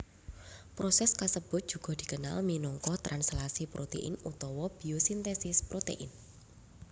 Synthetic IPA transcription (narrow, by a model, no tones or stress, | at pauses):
pɾosɛskasəb̥ʊt̪̚dʒ̥ṳɡ̥ɔ̤d̪̥i̤kəna̰lminɔŋkɔht̪ɾʔanslasipɾʔot̪ḛʔɪ̰nut̪ɔwɔb̥iosint̪esɪspɾot̪ḛʔɪn